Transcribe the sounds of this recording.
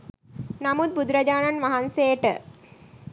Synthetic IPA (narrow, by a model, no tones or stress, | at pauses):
nɐmud̪̚bud̪ɾɐd͡ʑaːnanʋɐɦanseːʈə